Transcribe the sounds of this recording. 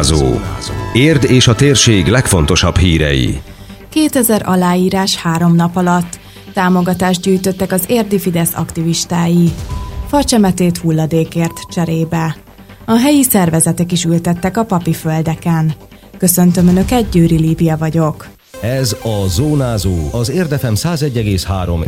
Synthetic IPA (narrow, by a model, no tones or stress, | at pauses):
zo̰ːeːrd̪eːʃɒt̪eːrʃeːɡlɛkfo̞̰n̪t̪o̞ʃɒbhiːɾɛ̰jḭ | keːt̪ɛzɛɾʔɒ̰laːiːɾaːʃhaːɾo̞mnɒpɒlɒt̪ː | aːmo̞ɡɒt̪aːʒd̪̚ɟyːjt̪ø̞t̪ːɛkɒzeːrd̪ifid̪ɛsɒ̰kt̪iviʃt̪aːjifɒrt͡ʃɛmɛt̪eːt̪hulːɒd̪eːkeːrt̪t͡ʃɛɾeːbɛ | ɒɦɛjisɛrvɛzɛt̪ɛkiʃylt̪ɛt̪ːɛkɒpɒpiføld̪ɛkɛn | kø̞sø̞nt̪ømønø̞kɛt̪̚ɟøːɾiliːbijɒvɒɟo̞k | ɛzɒzoːnaːzoːɒzeːrd̪ɛfɛmsaːzɛɟːɛɡeːshaːɾo̞̰m